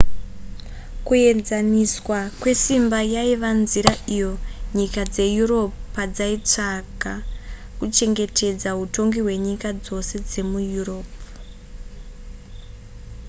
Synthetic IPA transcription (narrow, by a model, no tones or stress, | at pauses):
kuje̞d͡zaniswakwe̞simbajaiʋanziɾaʔijo̞ɲikad͡ze̞juro̞pupad͡zait͡ʂaka | kut͡ʃe̞ŋɡe̞te̞d͡zaɦuto̞ŋɡiɦwe̞ɲikad͡zo̞se̞d͡ze̞mujuro̞ːp